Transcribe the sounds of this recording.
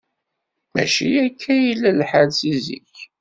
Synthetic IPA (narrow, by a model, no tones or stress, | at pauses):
mæ̰ʃḭækʰːæjilːælħaðsizḭç